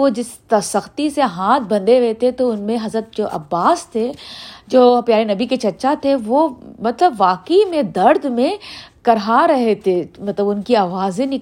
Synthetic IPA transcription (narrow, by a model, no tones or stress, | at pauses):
od͡ʒɪst̪ɐsɐxt̪iseɦaːt̪̚ʰbɐ̃nd̪eʋeːt̪et̪oʊnmẽɦɐzɾət̪̚d͡ʒoːʔɐ̰bːaːst̪ʰed͡ʒoːpjaːɾenɐbiket͡ʃɐʃat̪ʰeʋomɐt̪ləbʋaːkəimẽd̪ɐɾd̪mẽkɐɾɦaɾɐɦet̪ʰemɐt̪ləbʊnkiaːʋaːzẽnɪ